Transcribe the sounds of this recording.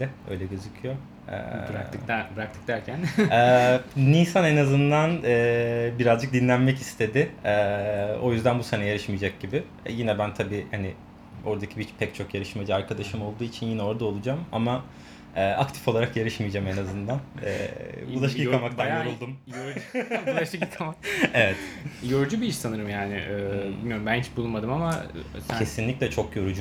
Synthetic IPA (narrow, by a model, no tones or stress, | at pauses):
ɛø̞̰jlʲɛɟøzycʰyjo̞ | ɛ̰ɾa̰ɯk̪bɾak̚t̪ʰɯ̥k̚d̪æɾcʰænɛːnisanenazɯnd̪anɛːbiɾazd͡ʒɯk̚d̪inlʲænmɛcist̪ʰe̞d̪ɪɛo̞̰jyzd̪ænbusenɛjeɾɯʃmijd͡ʒak̚ɟibɪ | jinɛbænt̪ʰabiːhanɪ | o̞ɾd̪acʰibit͡ʃpʰɛct͡ʃʰo̞kjeɾɯʃmed͡ʒiaɾkʰad̪aʃɯmo̞lˠd̪uːit͡ʃʰinjinɛo̞ɾd̪aolˠud͡ʒama̰ma | ɛːʔakt̪ʰi̥foaɾakjeɾɯʃmijd͡ʒamenazɯnd̪anɛ̰ːbulˠaʃikamak̚t̪ʰajoɾulˠd̪umjoɾbuaʃɯkjikʰamakevɛt̪joɾud͡ʒubiiʃsanɯɾɯmjaːnɪ̰ʔɛːilmijoɾmbænit͡ʃbulˠunmad̪ɯmamacʰe̞sinlʲiclʲɛt͡ʃʰo̞kjo̞ɾud͡ʒu